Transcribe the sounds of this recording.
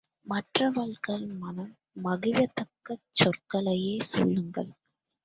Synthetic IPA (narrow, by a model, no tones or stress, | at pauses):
mɐʈrɐʋɐɭkɐlmɐnɐm | mɐɣɪʋɐt̪ɐkːɐt͡ʃːɔrkɐɭɐjeːsṵːɭːɯŋɡɐɭ